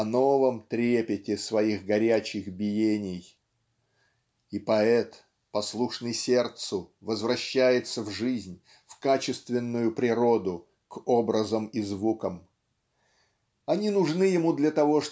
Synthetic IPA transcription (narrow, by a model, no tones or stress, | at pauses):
ɐno̞vəmt̪ɾʲepʲɪtʲɪsvɐiɣɡɐɾʲæt͡ɕɪxbʲɪjenʲɪj | ipɐɛt̪ | pɐslˠuʂnɨjsʲe̞rt̪sʊvəzvɾɐɕːæjɪt̪səvʐɨzʲnʲ | fkat͡ɕɪst̪vʲɪnːʊjʊpɾʲɪɾo̞d̪ʊ | kobɾəzəmizvukəm | ɐnʲinʊʐnɨjɪmud̪lʲɐt̪ɐvo̞ʂ